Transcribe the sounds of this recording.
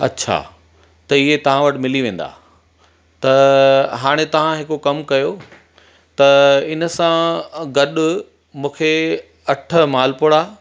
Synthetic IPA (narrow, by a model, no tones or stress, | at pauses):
ɐ̰tːɕʰa̰ː | t̪ɐɪɦet̪ɐʋ̤ãʋɐʈɪ̆mɪliʋẽːn̆d̪a̰ː | t̪ɐɦaːɽ̃et̪ɐʋ̤ãɦɪkokɐmkɐjo | t̪ɐɪnə̆sãɡɐɗʊ | mũːkʰe | ɐʈʰəmaːlpʊɽaː